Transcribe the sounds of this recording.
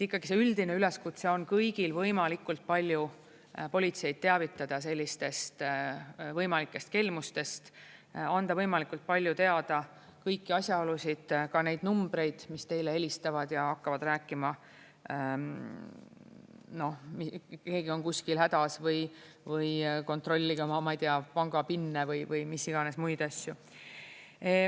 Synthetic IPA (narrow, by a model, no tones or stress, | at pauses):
et̪ːikːɑɡ̥ise̞yld̪̥ine̞yle̞skut̪seo̞nkɤjɡ̥ilvɤjmɑlikːˑult̪̚pɑlʲju | po̞lʲit̪se̞jd̪̥̚t̪e̞ɑvit̪ːˑɑd̪̥ɑs̬e̞lʲːist̪e̞st̪ | vɤjmɑlikːˑe̞st̪̚ke̞lmust̪e̞st̪ɑnd̪ɑvɤjmɑlikult̪̚pɑlʲjut̪e̞ɑd̪̥ɑ | kɤjkːiɑsʲjɑolusʲid̪̥kɑne̞jd̪numb̥ɾe̞jd̪̥mist̪e̞jle̞elʲist̪ɑvɑd̪̥jɑɑkːɑvɑd̪ræːkːˑimɑ | no̞hmike̞ːɡ̥io̞nkuskilhæd̪̥ɑsvɤj | vɯjko̞nt̪ro̞lʲːiɡ̥ɑmɑmɑijt̪eɑpɑŋɡ̥ɑpinːevɤjvɯjmisiɡ̥ɑne̞smujd̪ɑsʲju